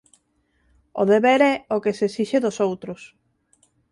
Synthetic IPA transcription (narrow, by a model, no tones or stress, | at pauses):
o̰ðeβeɾɛokesesiʃeðʊsowt̪ɾʊs